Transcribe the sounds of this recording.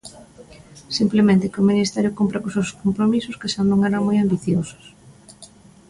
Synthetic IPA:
simplemẽnt̪ɪkɪʊminist̪ɛɾjʊkompɾakosewskompɾomisʊskesannoŋɛɾaŋmojambiθjosʊ̥s

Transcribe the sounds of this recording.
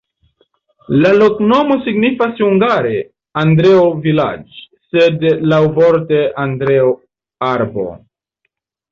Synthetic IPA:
lalo̞kno̞mo̞siɡnifashuŋɡaɾe̞ | andɾe̞ovila̰d͡ʒ | sedlawvoɾte̞ʔandɾe̞o | aɾbo̞̰

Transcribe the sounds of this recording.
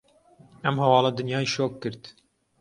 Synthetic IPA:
ɛmhɛwɑːlɑd̪ɨnjɑːiʃoːkːɨɾt̪

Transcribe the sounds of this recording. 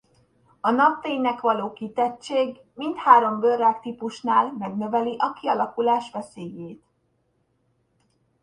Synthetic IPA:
ɒnɒp̚t̪eːɲnɛkʋɒloːkit̪ɛt͡ʃːeːɡ | mint̪haːɾo̞mbørːaːkt̪ipuʃnaːlmɛɡnø̞vɛliʔɒkiɒlɒkulaːʃʋɛseːjeːt̪

